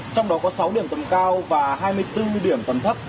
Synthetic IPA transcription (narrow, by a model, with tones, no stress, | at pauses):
t͡ɕɔ˧wŋ͡mɗɔ˨˦kɔ˨˦sa˨˦wɗi˧˩əmt̪ə˨˧˦mkaː˧wvaː˨˩ɦaː˧jmɨ˧əjt̪ɨ˧ɗi˧˩əmt̪ə˨˦mt̪ʰə˦˥t̚